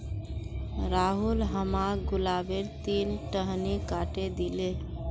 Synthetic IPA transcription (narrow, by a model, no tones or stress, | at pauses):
ɾaɦulɦəmaɡulabeɾt̪inʈəɦnikaʈed̪ile